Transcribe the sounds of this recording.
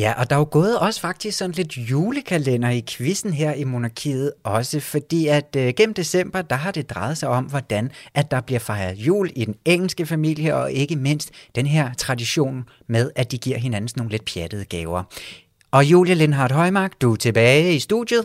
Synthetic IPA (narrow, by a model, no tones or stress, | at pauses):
jæʔɒ̽d̥ɑ̈oɡ̥ɔ̽ːð̞̩ˠɒ̽sə̥fɑ̈ɡ̥̚d̥isɡ̥sɒ̽n̩le̝d̥juːləkʰælen̰ɐikʰʋisn̩ɦeɐ̰imo̝nɑ̈kʰḭːð̞̩ˠɒ̽səfɒ̽d̥ḭːæd̥ɡ̥em̰m̩d̥e̝sem̰b̥ɐd̥ɑ̈ɦɑ̈d̥e̝d̥ʁɑ̈ɪð̩ˠsɑ̈ɪɒ̽m̰ʋɒd̥ænʔæ̥ɑ̈b̥liɐ̰fɑ̈ɪɐðˠjṵːlid̥eneŋ̰l̩sɡ̥əfæmil̰jəɒ̽ʔe̝ɡ̥əme̝n̰sd̥ːenɦeɐ̰t͡sʰʁɑ̈diɕo̝̰ːn | með̞ˠæd̥iɡ̥iɐ̰ɦe̝næn̩sno̝ːn̩le̝d̥̚pʰjæd̥əð̞̩ˠəɡ̥ɛːʊɐ | ɒ̽jṵːljəle̝nɦɑ̈ːd̥ɦɒ̽ɪmɑ̈ɡ̥d̥ut͡sʰe̝b̥ɛːɪisd̥uðˠjð̩ˠ